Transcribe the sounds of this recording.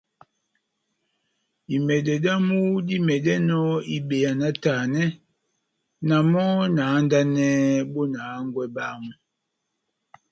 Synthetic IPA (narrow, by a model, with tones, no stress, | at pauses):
i˨mɛ˨dɛ˨da˦mu˦di˦mɛ˨dɛ˦nɔ˦i˨be˨ja˨na˦taː˨nɛ˦ | na˨mɔ˦naː˨˦nda˦nɛ˦bo˦na˨˦ŋ˦ɡwɛ˦ba˦mu˨